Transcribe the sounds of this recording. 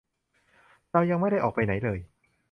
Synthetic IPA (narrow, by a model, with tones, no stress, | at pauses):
ɾa˧wja˧ŋma˥˩jɾa˥˩jʔɔː˨˩k̚pa˧jna˩˦jlɤː˧j